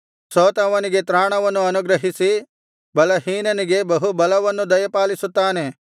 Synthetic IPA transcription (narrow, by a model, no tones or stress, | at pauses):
soːt̪ɐʋɐniɡe̞t̪ɾaːɳɐʋɐnːuɐnuɡɾɐɦisi | bɐlɐɦiːnɐniɡe̞bɐɦubɐlɐʋɐnːud̪ɐjɐpaːlisut̪ːaːne̞